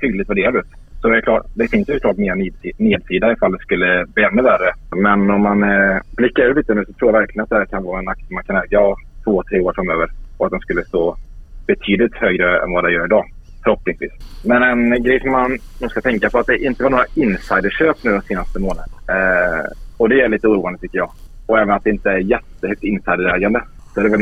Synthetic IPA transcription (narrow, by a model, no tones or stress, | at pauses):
t̪ʰyːd̪lɪt̪væɖeːɾad̪ʉːt̪ | sɔd̪ɛkʰlɑːd̪ɛfɪnsjsʊklɑːʈmeːɾaneːd̪siːd̪aɪfald̪ɛskɵlːəbliːɛnːɵværəmɛnɔmːanblɪkːaɾʉliːt̪ənʉːsɔt̪ʰɾuːjavæɾklɪɡənat̪̚d̪ɛhæɾkʰanvɑːaɛnak̚t̪əmankʰanɛːɡaɑt̪ʰvoːt̪ʰɾeːoːɾfɾamøːvəɾɔat̪̚d̪ɛmskɵlːəst̪oːb̥ɛt̪ʰyːd̪lɪt̪høːɡɾəɛ̰nvad̪ɛjœːɾɪd̪ɑː | fœɾhɔpːnɪŋsvḭːsmɛnɛnɡɾɛjsɔmːannuːskat̪ʰɛŋkapʰɔat̪̚d̪ɛʔɪnt̪əvaɾɳoːɾaɪnsajd̪əʂøːpnʉ̟ːd̪ɔseːnast̪əmoːnad̪ | ɔd̪ɛæɭiːt̪əuːɾuːandət̪ʏkːəjɑːɔɛːvənat̪d̪ɛɪnt̪əæɾjɛt̪ːəhœk̚t̪ɪnsajd̪əɾɛːɡand̪ə | sɔɛd̪ɛvɛ